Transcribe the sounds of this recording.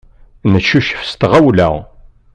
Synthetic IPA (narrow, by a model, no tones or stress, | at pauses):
nəʃːuʃə̥fst̪ʁæwlæ̰